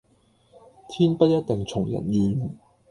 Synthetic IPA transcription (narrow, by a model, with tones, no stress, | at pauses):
t̪ʰiː˥npɐ˥t̚jɐ˥t̚t̪ɪ˨ŋt͡sʰʊ˨˩ŋjɐ̰˨˩njyː˨˧n